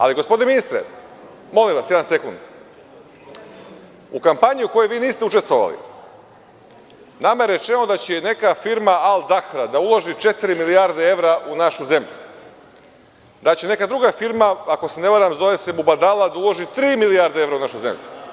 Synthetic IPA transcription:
a̰liɡospoineminist̪ɾḛ | mo̞limʋasjed̪anse̞kund̪ | ṵkampaɲiuko̞jeʋiːniːst̪eut͡ʃe̞st̪ʋoʋa̰lḭ | namajeɾe̞t͡ʃenod̪at͡ɕene̞kafiɾmaalˠd̪axɾad̪aulˠo̞ʒit͡ʃe̞t̪iɾimilijaɾd̪ee̞ʋɾaʔunaʃuze̞mʎu | d̪at͡ɕene̞kad̪ɾuɡafiɾmaako̞sene̞ʋaɾamzo̞ʋese̞bubad̪alad̪aulˠo̞ʒit̪ɾiːmilijaɾd̪ee̞ʋɾaunaʃuze̞̰mʎu

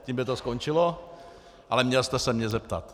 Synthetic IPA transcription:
ciːmbɪt̪oskont͡ʃɪlo | ʔalɛmɲɛlst̪ɛsɛmɲɛzɛp̚t̪at̪

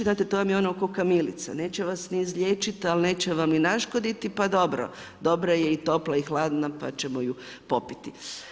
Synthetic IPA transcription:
znaːt̪et̪oːʋamjeonokokamilit̪sa̰ne̞ːt͡ɕeʋasniːzʎʲeːt͡ʃit̪alne̞ːt͡ɕeʋaminaʃkod̪it̪ipad̪o̞bɾo̰ | d̪o̞bɾajeit̪o̞plaixlˠaːd̪napa̰t͡ʃemoju | po̞pit̪i

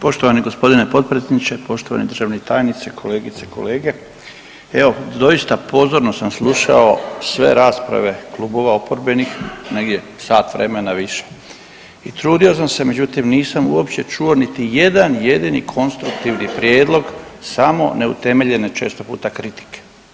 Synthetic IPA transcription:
po̞ʃt̪o̞ʋaniɡospo̞d̪inepo̞t̪̚pɾejed̪nit͡ɕe̞po̞ʃt̪oʋa̰ned̪ɾrʒaʋnet̪aːjnit̪sekʰo̞leːɡit̪seko̞le̞ːɡe̞ | eo̞d̪o̞ist̪apo̞zoɾno̞samslˠuʃa̰o̞sʋe̞̰ɾaːspɾa̰ʋe̞klˠuːbo̞ʋao̞poɾbenixne̞ɡd̪ʲje̞ | saːt̪ʋɾemenaʋiʃe̥ | it̪ɾuːd̪io̞samse̞me̞d͡ʑut̪imniːsamuopt͡ɕe̞t͡ʃuo̞nit̪ije̞d̪anje̞d̪inḭkʰo̞nst̪ɾukt̪iʋnipɾje̞ːd̪lˠo̞ɡsamo̞̰ne̞ṵt̪e̞me̞ʎe̞net͡ʃe̞ːst̪o̞pṵːt̪akɾit̪i̥ke̥

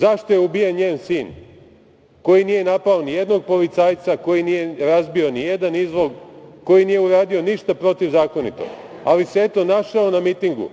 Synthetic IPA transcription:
zaʃt̪o̞jeubijenɲeːnsiːn | ko̞jinije̞napaonijed̪no̞ɡ̚po̞lit̪sajt̪sako̞jinije̞ɾazbio̞nije̞d̪anizʋo̞ɡko̞jinije̞uɾaːd̪io̞niʃt̪apɾo̞t̪iʋzaːko̞nḭt̪o̰ɡ | aliseet̪o̞naʃaonamit̪iŋɡṵ

